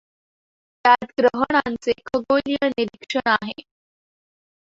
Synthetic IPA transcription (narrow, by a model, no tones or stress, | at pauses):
t̪jat̪ɡɾəɦəɽ̃ant͡sekʰəɡolijəniɾikʂəɽaɦe